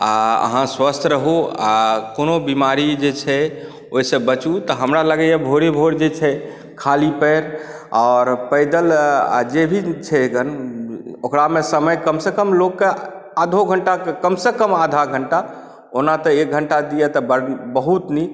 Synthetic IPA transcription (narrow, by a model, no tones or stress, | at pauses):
aə̰ɦãswəst̪ʰɾəɦuakonobimaɾid͡ʒet͡ʃʰɛ | oɦisə̃bət͡ʃut̪ɔɦəmɾaləɡɛjebʱoɾebʱoɽd͡ʒet͡ʃʰɛ | kʰalipəɪɾ | ɔːɾpəɪd̪əla̰d͡ʒebʱit͡ʃʰɛɡən | okɾamesəməjkəmsekəmlokːe | ad̪ʱoɡʱəɳʈakekəmsekəmad̪ʱaɡʱəɳʈa | onat̪ɔek̚ɡʱəɳʈad̪ijɛt̪ɔbəbəɦut̪ni